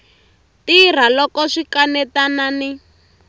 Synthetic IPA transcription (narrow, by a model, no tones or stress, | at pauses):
tir̤alɔkɔʂikanɛtanani